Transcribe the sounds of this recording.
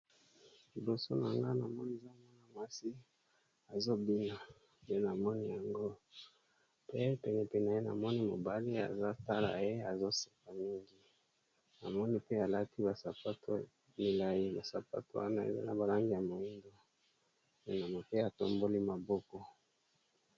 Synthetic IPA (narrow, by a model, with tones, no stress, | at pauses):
li˨bo˨so˦na̰˨ŋɡa˦na˨mɔ˦ni˨e˨za˦mwa˦na˨ma˦si˦ | a˨zo˦bi˦na˨ | de˦na˨mɔ˦ni˦ja˨ŋɡo˦ | pe˦pɛ˨nɛ˨pe˦˨na˨je˦na̰˨mɔ˦ni˦mo̰˨ba˦li˦a̰˨za˦ta˦la̰˨je˦a˨zo˦se̥˨ka˨mi˦ŋɡi˦ | na˨mɔ˦ni˦pe˦a˨la˦ti˦ba˨sa˨pa˦tʰo˦ | mi˨la˨ji˦ba˨sa˨pa̰˦to˦wa̰˦na˦ḛ˨za̰˦na˨ba˨la˦ŋɡi˦ja˨mo˨i˦ndo˨ | pe˨na˨mo˨pe˦a˨to˨mbo˦li˦ma˨bɔ˦kɔ˦